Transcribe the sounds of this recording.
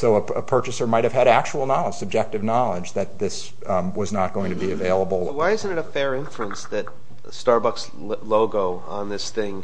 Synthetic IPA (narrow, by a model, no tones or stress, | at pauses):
soʊəəpʰɜ˞t͡ʃɨsə˞maɪt̚hɨv̥ɨɾæk̚t͡ʃul̩ˠnɑlˠə̥sɨb̚d͡ʒɛk̚tɨvnɑlˠəd͡ʒðɨt̪̚ðɪs | wʌznət̚ɡ̥oʊɪ̃ŋtʰɨbiɨveɪlˠəbl̩ˠwaɪɪz̃n̩tɨɾəfɛɹɪ̃ɱfluə̃nsðɨt̚ | stɑɹbʌks | loʊɡoʊ | ə̃nðɪsθɪ̃ŋ